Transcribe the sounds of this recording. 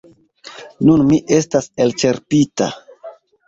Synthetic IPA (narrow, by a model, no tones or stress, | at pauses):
nunmiʔe̞stase̞lt͡ʃe̞ɾpita̰